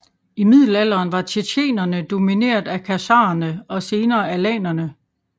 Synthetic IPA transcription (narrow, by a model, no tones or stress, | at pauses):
imið̞̰ˠl̩æl̰ɐːnʋɑ̈t͡ɕʰeɕʰe̝̰ːnɐnəd̥o̝mine̝̰ːɐðˠækʰæsɑ̰̈ːɐnəɒ̽se̝ːnɐːælɛ̰ːnɐnə